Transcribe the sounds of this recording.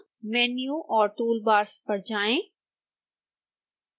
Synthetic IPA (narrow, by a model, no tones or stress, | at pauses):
mɛːnjũʔɔːɾt̪uːlbaːɾspɐɽd͡ʒaːẽː